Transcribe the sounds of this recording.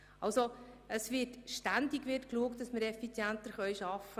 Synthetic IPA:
ɑlsoəsʋɪtʃtændikʋɪrtkluək̚t̚d̥ɑsməɾɛfit͡sjænt̪əɾχœɥʃɑfːə

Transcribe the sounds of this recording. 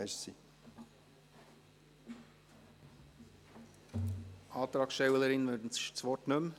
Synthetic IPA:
ɾsḭ | ʔɑːt̪ɾɑːksʃtɛwələɾɪnʋøːdn̩sɪçt͡sʋɔtnɵm

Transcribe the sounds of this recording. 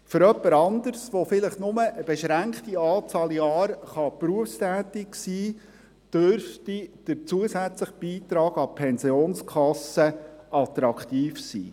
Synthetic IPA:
fʏɾœpːəɾɑnd̪əɾsʋofɪləχnʊməʔəbɛʃɾæŋkχtiɑːt͡sɑːljɑːɾχɑpɾuəfstæːtɪksiː | d̥øɾftid̥əɾt͡suəsæt͡sləχb̥iːt̪ɾɑːɡɑpʰɛnsioːnskʰɑsəʔɑt̪ɾɑkt̪iːfsḭː

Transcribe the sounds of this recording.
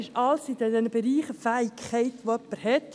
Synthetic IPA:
ɪʃɑlsid̪ɛd̪ɛnəb̥eɾiːχəfæːikχɛɪt̪ʋoœpːəɾhɛt̪

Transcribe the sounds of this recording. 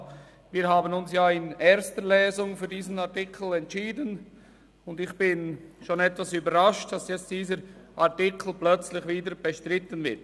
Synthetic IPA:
viːɦaːbənʊnsjaːɪnʔɛɐstəlɛːzʊŋfyːɐdiːzn̩atɪkʰl̩ɛntt͡ʃiːdən | ʊndɪxb̥ɪnʃonɛtvasyːbəɾʁaʃtd̥asjɛt͡std̥iːzəɾʔatɪkʰl̩plœt͡slɪçviːdəɾb̥ɛʃtɾɪtənvɪɾt

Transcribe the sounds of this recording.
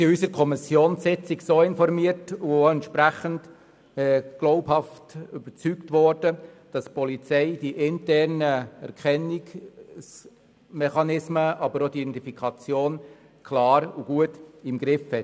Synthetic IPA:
siysəɾkʰɔmɪsjoːnsɪt͡sɪɡsoːɪnfɔɾmiəɾtuɛntʃpɾæχənd | ɛːɡ̥lɔʊphɑftyb̥əɾt͡syktvɔɾd̥əd̥ɑspɔlit͡sɛɪd̥iʔɪntɛɾnəɛ̰ɾkχɛniɡs | mɛχɑnɪsməʔɑbəɾod̥idɛntifikʰɑt͡sjoːn | kʰlɑːɾuɡ̥uətɪmɡɾɪfhɛt

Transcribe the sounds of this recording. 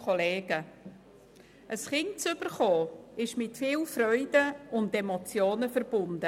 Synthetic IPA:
oleːɡ̥ə | ʔəsχɪŋt͡sʏb̥əɾχoːɪʃmɪtfiːlfrœʏdəʊndemot͡sjoːnəfəɾb̥ʊndə

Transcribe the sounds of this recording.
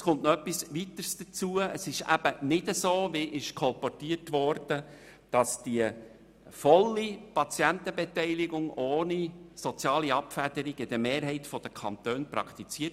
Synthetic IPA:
skʊntnoœpːisʋit̪əɾsd̥ət͡suəəsɪʃæ̰b̥ənɪdəsoːʋɪʔɪʃkʰɔlpɔtiətʋɔɾd̥ə | d̥ɑsd̥iə | fɔlːipɑt͡sjænt̪əbɛt̪ɛɪliɡʊŋoːnisɔt͡sjɑːliɑpfæd̥əɾiɡɪd̥̪əmeːɾɦɛɪtfɔd̥əkʰɑnt̪øːnprɑ̰kt̪it͡siːət

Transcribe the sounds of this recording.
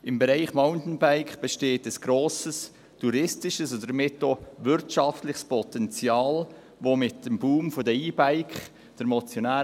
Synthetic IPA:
ɪmbeɾaɪχmaʊntn̩baɪkb̥eʃteːtəsɡ̥ɾoːsəs | tʰuɾɪstɪʃəsondəəmɪtːovʏɾtʃɑftlɪχspʰɔtɛnt͡sjɑːl | vomɪtd̥əmbuːmfodəiːbaɪkχ | d̥əɾmɔt͡sjonaː

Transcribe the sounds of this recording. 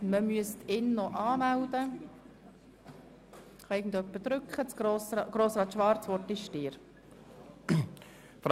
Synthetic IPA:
məmyəstɪnːɔʔɑːmæld̪ə | χɑɪɡən̩d̪œpːəd̥̪ɾʏkχət͡sɡosɡ̥ɾoːsɾɑːt̪ʃʋɑɾt͡sʋɔɾtɪʃʃtiːɾ | f

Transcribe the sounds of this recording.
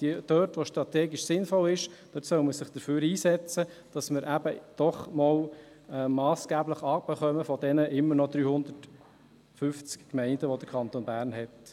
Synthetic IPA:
d̥id̥øːtʋoʃtɾɑtɛːɡiʃsɪnfɔlɪʃd̥øtsœʊməɾsɪχd̥̪əɾføːɾiːsɛt͡sə | d̥ɑsməɾʔæb̥əd̥ɔχmɔl | ɛmɑːsɡ̥æːbləχɑːbəχœməfɔd̪ɛnəʔɪmːəɾnɔd̪ɾyːhʊnd̪ət | fʏft͡skkmɛɪndəʋod̥̪əɾkʰɑnt̪onbæːɾnɦɛt

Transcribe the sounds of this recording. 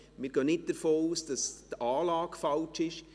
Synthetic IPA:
mɪːɾɡ̥œːnɪt̚d̥əɾfoːuːsd̥ɑsdaːlɑːɡ̥fɑlt͡ʃɪʃ

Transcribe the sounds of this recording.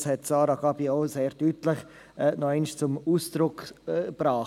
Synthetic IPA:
shɛtsɑːɾaɡɑbioʊseːɾdyːtləχ | ɛnɔɛɪnʃt͡sʊmuːsd̥ɾʊkːb̥ɾɑː

